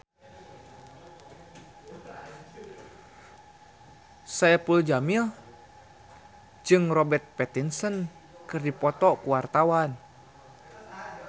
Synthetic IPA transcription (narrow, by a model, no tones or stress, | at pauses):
saɛpuld͡ʒamil | d͡ʒɨŋrɔbɛrt̪̚pɛt̪insən | kɨrdipɔt̪ɔkuwart̪awan